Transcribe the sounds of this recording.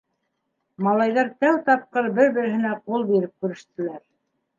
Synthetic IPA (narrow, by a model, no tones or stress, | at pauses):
mɑlˠɑjðɑɾt̪æwt̪ɑp̚qɤɾbɘɾbɘ̆ɾɘ̆ɦɘ̆næqulˠbiɾɘp̚kʉɾɘ̆ʃt̪ɘ̆læɾ